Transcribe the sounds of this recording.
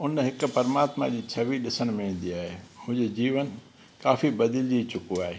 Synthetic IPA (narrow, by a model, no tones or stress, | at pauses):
ʊnɦɪkpɐɾmaːt̪ma̰d͡ʑiːt͡ɕʰɐʋiɗɪsəñmẽĩːn̆d̪iaːɦemʊ̃ɦɪ̃ɲd͡ʑed͡ʑiːʋən | kaːfibɐd̪ɪld͡ʑit͡ɕʊkuaːɦeː